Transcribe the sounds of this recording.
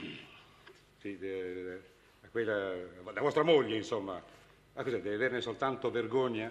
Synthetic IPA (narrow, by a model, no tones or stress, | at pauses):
si | akwelːad̪avɔst̪ɾamoʎːeinsomːa | akːozɛd̪ɛveavernesolt̪ant̪overɡoɲːa